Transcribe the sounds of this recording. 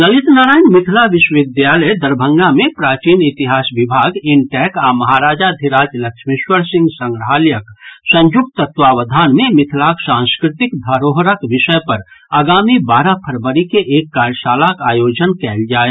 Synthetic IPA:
ləlɪt̪naːɾaːjnmɪt̪ʰlaʋɪʃʋɪd̪jaːləjd̪əɾbʱə̃ŋɡamẽpɾaːt͡ʃiːnɪt̪iɦaːsʋɪbʱaːɡɪnʈɛːkamɐɦaːɾaːd͡ʒad̪ʱiɾaːd͡ʒlɐkʃmɪʃwəɾsɪ̃ŋɡsə̃ŋɡɾəɦaːljəksə̃ɲjʊk̚t̪ət̪ʋaːʋəd̪ʱaːnmẽmɪt̪ʰlaksãːnskɾɪt̪ɪkd̪ʱaɾoːɦɾəkʋɪʃəpɐɾaːɡaːmibaːɾapʰəɾbəɾikeʔeːkːaːɾjəʃaːlakaːjoːd͡ʒənkɛld͡ʒaːe

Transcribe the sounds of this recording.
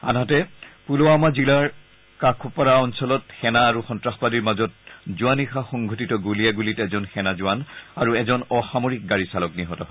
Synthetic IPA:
a̰nɦatɛpuloamazilaɹ | kakʰupaɹaɔnsɔlɔtxɛnaːɹuxɔntɹaxpadiɹmazɔt̚zuanixaxɔŋɡʱɔtitɔɡuliaɡulitɛzɔnxɛnazuwanaɹuɛzɔnɔxamoɹik̚ɡaɹisalɔkniɦɔtɔɦɔ

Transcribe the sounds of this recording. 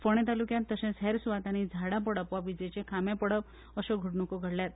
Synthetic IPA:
fɔɽ̃ɛ̃t̪alukjãnt̪ːəɕɛ̃sɛɾsuʋat̪añid͡zʱaɽap̬əɽəpʋaʋid͡ʑet͡ɕẽkʰamẽpəɽəp | əɕɔɡʱəɽɳukoɡʱəɽljat̪̚

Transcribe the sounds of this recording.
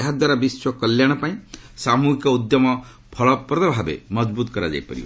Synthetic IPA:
eɦad̪waɾabiswɔkɔljaɽ̃ɔpaĩsamuɦikɔud̪jɔmɔ | pʰɔɭɔpɾɔt̪ɔbʱabḛmɔd͡ʒbut̪kɔɾad͡ʒa̰jpɔ̰ɾibɔ

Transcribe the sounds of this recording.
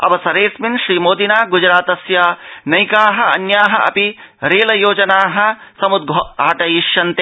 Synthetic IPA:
ɐ̰ʋɐsɐɾeːsminʃɾiːmoːd̪inaːɡud͡ʒɾaːt̪ɐsjaːnɐjkaːɦɐɐ̰njaːɦɐʔɐ̰pi | ɾeːlɐjoːd͡ʒɐnaːɦɐ̆sɐmud̪̚ɡʱoaːʈɐjiʃjɐnt̪e

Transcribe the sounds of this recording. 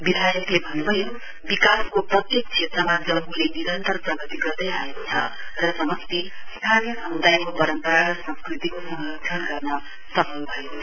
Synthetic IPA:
bid̪ʱajʌklebʱʌnːubʱʌjo | bikaskoprʌt̪jek̚t͡sʰet̪rʌmad͡zʌmuleniɾʌnt̪ʌrpʌɡʌt̪iɡʌrd̪ʌjaekot͡sʰʌ̰rʌsʌmʌst̪ist̪ʰanjiɦʌnd̪ajmobʌɾʌnt̪ʌɾaɾʌsãmskrit̪ikosʌŋɡʌksʰʌnɡʌrnʌ | sʌpʰʌlbʱʌjo

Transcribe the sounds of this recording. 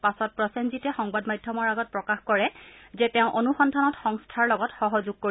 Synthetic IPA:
pasɔt̚pɹɔsenzitɛxɔŋbadmajdʱːjɔmɔɹaɡɔt̚pɹɔkaxkɔɹɛzɛtɛʊ̃ʔonuxɔndʰʱanɔtxɔŋstʰaɹlɔɡɔtxɔɦɔzuɡ̚ko

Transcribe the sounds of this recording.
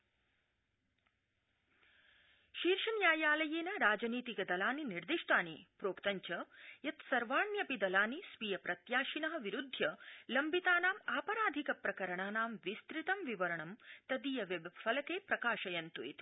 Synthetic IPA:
ʃiːɾʃɐnjaːjaːlɐjeːnɐɾaːd͡ʒɐniːt̪ikɐd̪ɐlaːniniɾd̪iʂʈaːnipɾoːkt̪ɐɲt͡ʃɐjɐt̪sɐɾʋaːɳjɐpid̪ɐlaːnisʋiːjɐpɾɐt̪jaːʃinɐɦɐ̆ʋiɾud̪ʱjɐlɐmbit̪aːnaːmaːpɐɾaːd̪ʱikɐpɾɐkɐɾɐɳaːnaːmʋist̪ɾit̪ɐmʋiʋɐɾɐɳɐmt̪ɐd̪iːjɐʋɐbɐfɐlɐkeːpɾɐkaːʃɐjɐnt̪uḭt̪i̥

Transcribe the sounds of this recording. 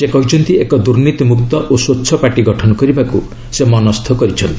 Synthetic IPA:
sekɔɦit͡ʃɔnt̪iekɔd̪uɾnit̪imukt̪ɔʔoswotːʃʰɔpaʈiɡɔʈʰɔnɔkɔɾibaku | semɔnɔst̪ʰɔkɔɾit͡ʃʰɔnt̪i

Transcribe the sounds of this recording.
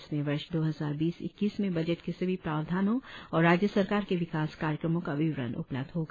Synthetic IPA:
smẽʋɐɾʃd̪oːɦɐzaːɾbiːsɪ̰kːiːsmẽbɐd͡ʒəʈkesɐbʱipɾaːʋd̪ʱaːnõɔːɾːaːd͡ʒjəsɐɾkaːɾkeʋɪkaːskaːɾjəkɾəmõkaʋɪʋɾə̰nʔʊ̰plə̰b̚d̪ɦoɡa

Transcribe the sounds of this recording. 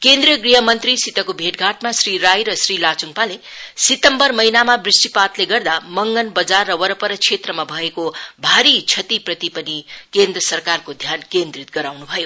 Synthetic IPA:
kend̪ɾijʌɡriɦʌmʌnt̪risit̪ʌkobʱeʈɡʱaʈmasriɾajɾʌsrilat͡suŋpalesit̪ʌmbʌrmʌjnamabrisʈipat̪leɡʌrd̪amʌŋɡʌnbʌd͡zarːʌwʌɾʌpʌɾʌt͡sʰet̪rʌmabʱʌekobʱaɾit͡sʰʌt̪iprʌt̪ipʌnikend̪rʌsʌrkarkod̪ʱjankend̪rit̪ɡʌɾawnubʱʌjo

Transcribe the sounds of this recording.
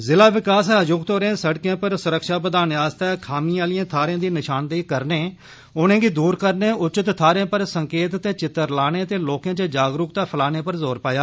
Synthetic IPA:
zɪlaːʋɪkaːsəd͡ʒʊkt̪oːɾẽːsəʈkjãːpəɾsʊɾəkʃaːpəd̪aːnaːst̪ɛːkʰaːmĩːaːlijãːt̪ʰaːɾeãːd̪iːnɪʃaːnd̪iːkəɾneː | ʊnẽːɡiːd̪uːɾkəɾneːʊt͡ʃɪt̪t̪ʰːaːɾẽːpəɾsəŋkeːt̪t̪eːt͡ʃɪt̪ːəɾlaːñeːt̪eːloːkãːt͡ʃəd͡ʒaːɡɾʊkt̪aːpʰəlaːneːpəɾzoːɾpaːjaː

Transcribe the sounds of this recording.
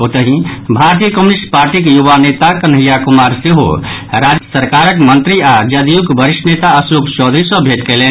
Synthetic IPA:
ot̪əɦĩbʱaɾt̪ijəkəmunisʈpaɾʈikjuʋanet̪akənɦijakumaɾseɦo̰ɾad͡ʒsəɾkaɾəkmənt̪ɾiad͡ʒəd̪ijukbʱəɾiʃnet̪aəsukt͡ʃɔd̪ɾisəbʱet̪kelen

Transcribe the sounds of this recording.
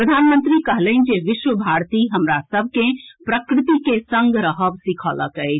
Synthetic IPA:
pɾəd̪ʱanmənt̪ɾikəɦlənd͡ʒeʋiʃwəbʱaɾt̪iɦəmɾasəbʱkẽpɾəkɾɪt̪ikesə̃ŋɡɾəɦəbsikʰələ̰kəɪt͡ʃʰ

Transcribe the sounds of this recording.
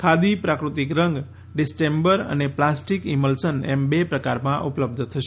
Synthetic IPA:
kʰad̪ipɾakɾut̪ikɾəŋɡ | ɖɪsʈembəɾə̰neplasʈikiməlsənɛ̰mbepɾəkaɾmãʔupləb̚d̪ʱt̪ʰəʃe

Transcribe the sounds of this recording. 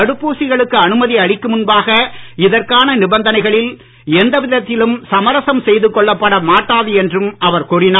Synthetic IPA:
ɐɽɯpːuːsɪɣɐɭɯkːɯɐnɯmɐðiɐɽɪkːɯmʊnbaːɣɐɪðɐrkaːnɐnɪbɐnd̪ɐnɐɪɣɐɭɪl | ɛnd̪ɐʋɪðɐt̪ːɪlɯmsɐmɐɾɐsɐmsɛjðɯkːɔɭːɐpːɐɽɐmaːʈːaːðɯɛndrɯmɐʋɐɾkuːrɪnaː

